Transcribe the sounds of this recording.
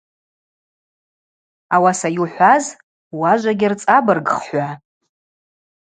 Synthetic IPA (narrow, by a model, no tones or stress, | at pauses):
awasajuħʷaz | waʒʷaɡʲɪrt͡sʼabɨrɡχħʷa